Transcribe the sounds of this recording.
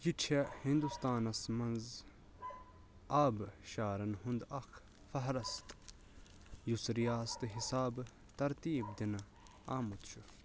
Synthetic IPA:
jit͡ʃʰehind̪ust̪aːnɐsmɐnz | aːbʃaːɾɐnɦund̪ɐxʰ | fɐɦɾɐst̪ | jusɾijaːst̪ɨɦisaːb | t̪ɐɾt̪iːb̚d̪inɐ | aːmut̪t͡ʃʰu

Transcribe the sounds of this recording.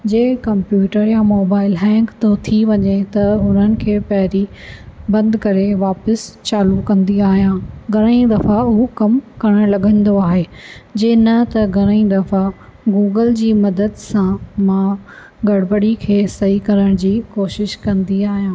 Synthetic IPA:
d͡ʑeːkɐmpjuːʈəɾjamoːbaːɪlɦɛ̃ːŋkt̪ʰot̪ʰiʋɐɲet̪ɐɦʊn̤ənɪ̆kʰeːpɐɦɾi | bɐ̃nd̪kɐɾeʋaːpəst͡ɕaːlukɐ̃nd̪iaːɦijãːɡʱɐɾəĩd̪ɐfaɦukɐmkɐɾəɽ̃lɐɠʱə̃nd̪oaːɦeːd͡ʑɐːnɐt̪ɐɡʱɐɾəĩd̪ɐfaɡuːɡəld͡ʑiːmɐd̪əd̪sãmã | ɡɐɽbəɽikʰeːsɐɦikɐɾəɽ̃d͡ʑiːkoːʃɪʃkɐ̃nd̪iaːɦijãː

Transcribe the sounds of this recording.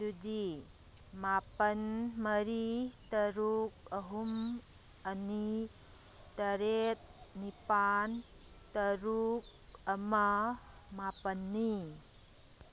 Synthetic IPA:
dud̪i | mapɐnmɐɾit̪ɐɾuk̚ɐɦum | ɐni | t̪ɐɾet̪̚nipan | t̪ɐɾuk̚ɐmɐmapɐnːi

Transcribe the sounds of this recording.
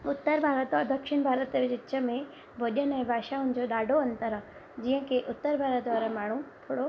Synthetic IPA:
ʊt̪ːəɾbʱaːɾət̪ɔɾd̪ɐkʃɪɳbʱaːɾət̪ʋɪd͡ʑɪt͡ʃəmẽ | bʱoʄənɛ̃bʱaːʃaɦʊ̃nd͡ʑoɗaːɖʱoɐ̃nt̪əɾ | d͡ʑiːɦə̃keʔʊt̪ːəɾbʱaːɾət̪d̪ʋaːɾamaːɳ̤ũt̪ʰoːɽo

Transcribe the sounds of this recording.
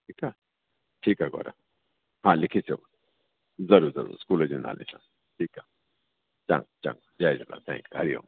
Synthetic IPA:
ʈʰiːka | ʈʰiːkaɡɔ̰ɾa̰ | hãːlikʰise | zɐɾuɾzɐɾṵɾskuːlɐd͡ʒuna̰lʔḛsã̰ | ʈʰiːka | t͡ʃã̰ŋt͡ʃa̰ŋ | d͡ʒaːjd͡ʒula̰t̪ʰɛ̰̃ŋkɦɐɾijõ̰ŋ

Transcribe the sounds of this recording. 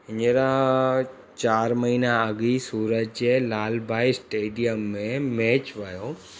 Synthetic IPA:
ɪɲeɾa | t͡ʃaːɾmɐɦiːnaɐɡisuːɾət̪̚d͡ʒelaːlbʱaːisʈeːɖijəmːẽmeːt͡ʃʋajo

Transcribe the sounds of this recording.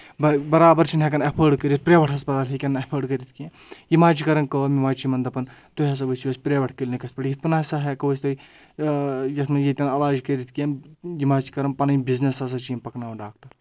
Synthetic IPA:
bɐbɐɾaːbɐɾt͡ʃʰinɦek̬ɐnɐpʰəːɖkəɾʲit̪̚pɾeːʋɐʈʰɦɐspɐt̪aːlɦikʲɐnːɐpʰəːɖkəɾʲit̪ʰkiẽ | jimaːt͡ʃikɐɾɐnkəːmimaːt͡ʃimɐnd̪ɐpɐnt̪oɦɐs̬ɐʋɐt͡ʃioːsʲpɾeːʋɐʈʰkəlʲnikɐspɐʈjɐt̪ʰpɐnaːsɐɦekɐʋosʲt̪oi | jɐt̪ʰmɐnjit̪ʲɐnɐlaːd͡ʒkɐɾʲit̪ʰkiejimaːt͡ʃi̥kɐɾɐnpɐnɐjbiznesɐs̬ɐt͡ʃijɐmpɐknaːʋɐɖaːk̚ʈɐɾ

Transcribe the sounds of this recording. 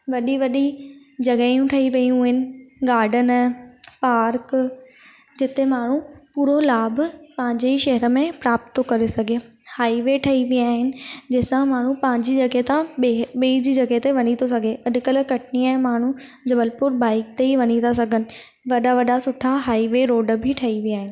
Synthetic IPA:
ʋɐɗiʋɐɗi | d͡ʑɐɡəjũʈʰɐiʋɐjũɦɪnɪ̆ɡaːɖʱənɪ̆paːɾk | d͡ʑɪt̪emaːɳ̤upuːɾolaːbpɐ̃ɦɪ̃ɲd͡ʑeiʃɐɦəɾə̆mẽpɾaːp̚t̪okɐɾesɐɡʱe | haːiʋeʈʰɐiʋiaːɦɪnɪ̆d͡ʑɐɦɪsãmaːɳ̤ũpɐ̃ːɪ̃ɲd͡ʑid͡ʑɐɡet̪ãɓiid͡ʑiːd͡ʑɐɡet̪eʋɐɲ̃it̪ʰosɐɡʱeɐɗkəlkɐʈʰɪniə̃maːɳ̤u | d͡ʑɐbəlpʊɾbaːɪk̚t̪eiʋɐɲit̪ʰas̬ɐɡʱənɪ̆ | ʋɐɗaʋɐɗasʊʈʰaɦaːiʋeɾoːɖə̆bʱɪʈʰɐiʋiaːɦɪnɪ̆

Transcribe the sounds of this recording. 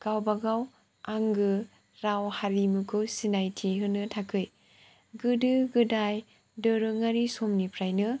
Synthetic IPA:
ɡ̥awbaɡaw | aŋɡɯ | ɾawhaɾimɯkʰɯwsinajtʰiɦɯnɯtʰakʰɯj | ɡɯdɯɡɯdaj | dɯɾɯŋaɾisomnipʰɾajnɯ

